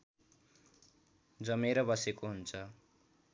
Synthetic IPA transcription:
d͡zʌmeɾʌbʌsekoɦunt͡sʰʌ

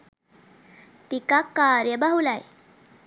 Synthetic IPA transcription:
t̪ikakːaɾjəbaɦulaj

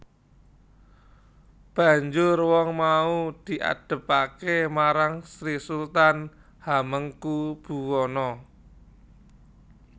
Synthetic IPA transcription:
b̥a̤ɲd͡ʒʊrwɔŋmaud̪̥i̤ʔa̰d̥ə̤pakemaɾaŋsɾisult̪an | haməŋkub̥ṳwɔnɔ

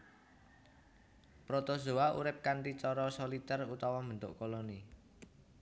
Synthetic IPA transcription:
pɾot̪ozo̤aʔṵɾɪp̚kanʈit͡ʃɔɾɔsolit̪ɛrut̪ɔwɔmənt̪ʊ̰ʔkoloni

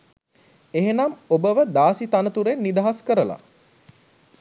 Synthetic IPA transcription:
eɦenɐmobəʋəd̪aːsit̪anət̪uɾenːid̪aɦaskəɾəla̰

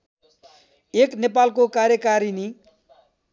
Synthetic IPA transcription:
eknepalkokaɾjʌkaɾini

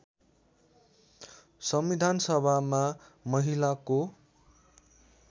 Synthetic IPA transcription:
sʌmbid̪ʱansʌbʱamamʌɦilako

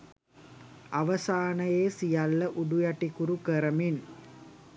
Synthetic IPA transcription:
aʋɐsaːnɐjeːsijɐlːɐʔuɖujaʈikuɾukəɾɐmin

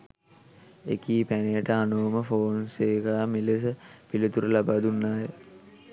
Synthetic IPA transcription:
ḛkiːpænejəʈəanoːməfoːnseːkaːmiles̬əpilət̪uɾəlabaːd̪unːaːjə

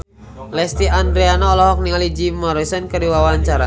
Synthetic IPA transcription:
lɛst̪iand̪ɾeanɔːlɔɦɔk̚niŋalid͡ʒimɔɾisɔnkəɾiwawaɲt͡ʃaɾa

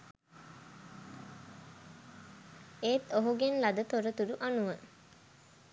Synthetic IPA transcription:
eːt̪oɦuɡenlad̪ət̪oɾət̪uɾuʔanuʋə

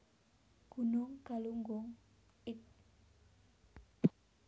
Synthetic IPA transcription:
ɡ̥unʊŋkaluŋɡʊŋ | ɪt̪̚

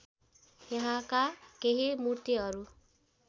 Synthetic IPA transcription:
jʌɦãkakeɦimurt̪iɦʌɾu

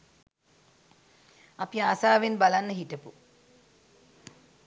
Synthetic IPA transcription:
apiaːsaːʋenbalanːəɦiʈəpu

